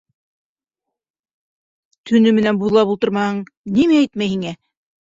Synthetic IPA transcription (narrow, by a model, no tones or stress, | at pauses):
t̪ʰɵ̆nɵmɘ̆nænbuðɤlˠɑpulˠt̪ɤɾmɑhɤɴnimæːjt̪mæjhiŋæ